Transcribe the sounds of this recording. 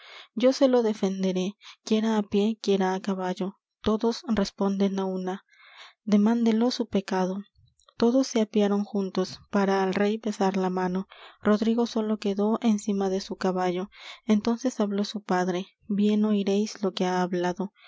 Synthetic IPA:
ɟ͡ʝo̞se̞lo̞ðe̞fe̞nd̪e̞ɾe̞kje̞ɾaːpje̞kjeɾaːkaβaʝo̞ | t̪o̞ðo̞sre̞spo̞nd̪e̞nauna | d̪e̞mãnd̪elo̞supe̞kaðo̞ | t̪o̞ðo̞sːeapjaɾo̞ŋxunt̪o̞spaɾaːlre̞jpe̞saɾlamãno̞ro̞ðɾiɣo̞so̞lo̞ke̞ðo̞ʔensimaðe̞sukaβaʝo̞ent̪o̞nse̞saβlo̞supaðɾe̞ | bje̞no̞iɾe̞jslo̞ke̞aːβlaðo̞

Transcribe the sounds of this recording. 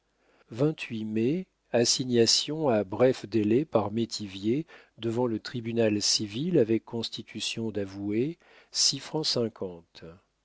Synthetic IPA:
vɛ̃t̪ɥime | asiɲasjɔ̃abʁɛfd̪elɛpaʁmet̪ʰivje | d̪əvɑ̃lət̪χibynalsivilavɛkːɔ̃st̪it̪ʰysjɔ̃d̪avue | sifχɑ̃sɛ̃kʰɑ̃t̪

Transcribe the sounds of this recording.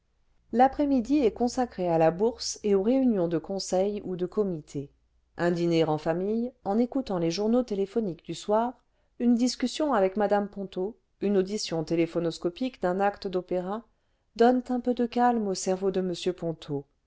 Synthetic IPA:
lapχɛmid̪iɛkɔ̃sakχealabuʁseoʁeynjɔ̃d̪əkɔ̃sɛjud̪əkɔmit̪ʰe | ɛ̃d̪inɛʁɑ̃famijɑ̃nekut̪ɑ̃leʒuʁnot̪elefɔnikd̪yswaːʁ | ynd̪iskʲysjɔ̃avɛkmad̪ampɔ̃t̪o | ynod̪isjɔ̃t̪elefɔnɔskɔpikd̪ɛ̃nakt̪əd̪opeʁa | d̪ɔnt̪ɛ̃pød̪əkalmosɛʁvod̪əməsjøpɔ̃t̪ʰo

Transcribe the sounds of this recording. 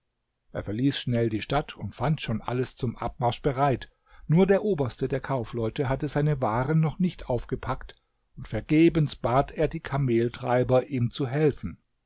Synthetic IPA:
ʔeːɐfɛɐliːsʃnɛldiːʃtatʰʊntfantʃoːnʔa̰ləst͡sʊmʔa̰p̚maɐʃb̥əʁaɪt | nuːɐdeːɐʔoːbɐstədeːɐkʰaʊflɔʏtəɦatəzaɪnəvaːʁənːɔχnɪçtʔaʊfɡ̥əpʰakt | ʊntfɛɐɡeːbənsb̥aːtʰeːɐdiːkʰameːltʁ̥a̰ɪbɐʔiːmt͡suɦɛlfn̩

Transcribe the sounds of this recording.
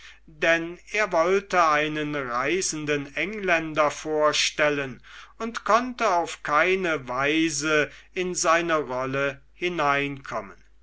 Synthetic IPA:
dɛneːɐvɔltəaɪnənʁaɪzn̩dənɛŋlɛndɐfoːɐʃtɛlənʊntkʰɔntəaʊfkʰaɪnəvaɪzəɪnzaɪnəʁɔlə | hɪnaɪnkʰɔmən

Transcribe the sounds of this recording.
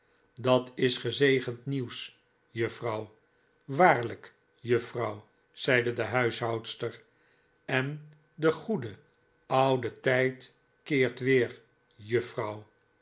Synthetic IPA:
dɑtɪsχəzejχəntniws | jɵfrɑw | ʋaːɹlək | jɵfrɑw | z̥ɛjdədəɦœɥsɦɑwtstəɹ | ɛn | dəχudə | ɑwdətɛjt | kɪːɹtʋɪːɹ | jɵfrɑw

